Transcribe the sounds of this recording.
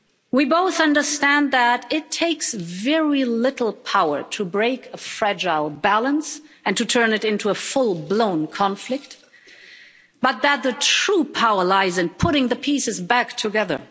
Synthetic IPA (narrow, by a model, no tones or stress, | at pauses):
wiboʊθʌ̃ndə˞stæ̃nðəɾɪtʰeɪksvɛɹilɪɾl̩ˠpʰaʊə̰˞ɾʰɨbɹeɪkʰəfɹæd͡ʒaɪlˠbælˠə̃nsɨ̃ntʰɨtʰɜ̃˞nɨɾɪ̃ntʰuəfʊlˠblõʊ̃nkʰɑ̃ɱflɨk̚t̚ | b̥ʌt̪̚ðɨt̪̚ðɨtʰɹ̥upʰaʊə˞laɪzɨ̃npʰʊɾɪ̃ŋðɨpʰisɨzbæktʰɨɡɛðə̰˞